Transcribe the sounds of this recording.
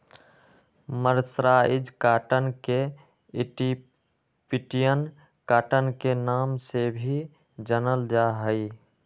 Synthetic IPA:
məɾsɾaɪd͡ʒkaːʈənke | ɪʈi | piʈijən | kaːʈənkenaːmsebʱi | d͡ʒənəld͡ʒaɦəi

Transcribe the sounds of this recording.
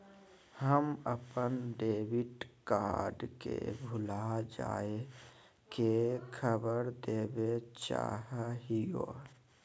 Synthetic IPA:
həməpənɖeːʋɪʈkaːɾɖkḛbʱʊlad͡ʒa̰ːe | kekʰəbəɾd̪eːbet͡ʃa̰ːɦəɦijo̰

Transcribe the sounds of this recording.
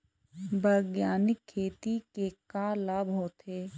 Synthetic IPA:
bɐɡjaːnɪkʰːeːt̪ikekaːlaːbɦoːt̪ɦeː

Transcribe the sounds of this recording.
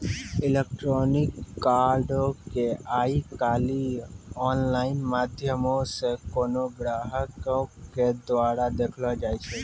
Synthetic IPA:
ɪlek̚ʈɾonɪkːaɾɖokeaikaːliɔːnlaːɪnmaːd̪ʱjəmõsekonoɡɾaːɦəkoked̪ʋaːɾad̪eːkʰlad͡ʒaːjt͡ʃʰe

